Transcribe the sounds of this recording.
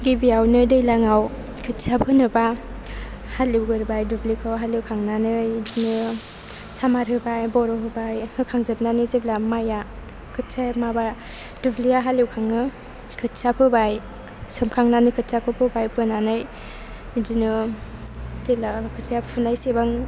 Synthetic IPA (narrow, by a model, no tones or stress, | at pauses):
ɡibiawnɯdɯjlaŋaw | kʰɯtsapʰɯnɯba | haliwɡɯɾbajdublikʰɯwɦaliwkʰaŋnanɯjzinɯ | samaɾɦɯbajbɔɾɔɦɯbajhɯkʰaŋzɯp̚nanɯzeblamaja | kʰɯt̚samabad̥ubliaɦalewkʰaŋnɯ | kʰɯtsapʰɯbaj | sɯmkʰaŋnanɯkʰɯt̚sakʰɯpʰɯbajpɯnanɯj | zinɯ | zeb̚lakʰɯtsapʰunajsebaŋ